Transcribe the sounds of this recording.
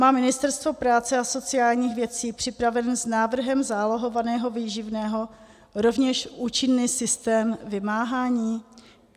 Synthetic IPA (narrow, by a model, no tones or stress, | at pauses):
maːmɪnɪst̪ɛɾst̪vo̞pɾaːt͡sɛaso̞t͡sɪaːlɲiːxvjɛt͡siːpr̥ɪpɾavɛnznaːvr̩ɦɛmzaːloɦo̞vanɛːɦo̞viːʒɪvnɛːɦo̞ | ɾo̞vɲɛʃʔuːt͡ʃɪnːiːsɪst̪ɛːmvɪmaːɦaːɲiː